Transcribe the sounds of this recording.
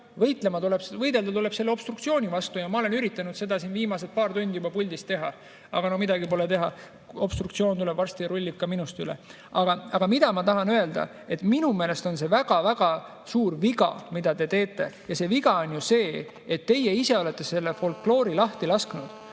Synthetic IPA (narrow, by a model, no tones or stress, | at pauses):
vɤ̞jt̪ˑle̞mɑt̪uleb̥vɤjd̪e̞ld̪ɑt̪ule̞b̥se̞lːeo̞b̥st̪rukt̪sio̞ːnʲivɑst̪ujɑmɑo̞le̞nyɾit̪ːˑɑnud̪se̞d̪ɑsinviːmɑset̪̚pɑːrt̪unʲd̪jubɑpulʲd̪ist̪ːe̞ɦɑ̰ | ɑ̰ɡ̥ɑno̞mid̪̥ɑɡipo̞let̪e̞ɦɑ | o̞b̥st̪rukt̪sio̞ːnt̪ule̞b̥vɑrst̪ijɑɾulʲːib̥̚kɑminust̪ylḛ | ɑɡ̥ɑɑɡ̥ɑmid̪̥ɑmɑt̪ɑɦɑnøe̞ld̪ɑ̰ | e̞t̪ːˑminume̞ːle̞st̪o̞nse̞væɡ̥ɑvæɡ̥ɑ | suːrviɡɑ̰mid̪̥ɑt̪e̞t̪e̞ːt̪ːˑe̞jɑse̞viɡ̥ɑo̞nʲjuse̞ː | et̪ːe̞jeise̞o̞le̞t̪ːe̞se̞lːefo̞lkːlo̞ːɾilɑht̪ilɑsknud̪̥